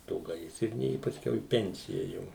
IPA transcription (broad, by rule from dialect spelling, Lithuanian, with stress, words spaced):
ˈtoː ˈɡɐɪsʲrʲɪnʲeː ɪ pɐˈsʲkʲɛʊ iː ˈpʲɛnʲt͡sʲɪjɛ ˈjɛʊ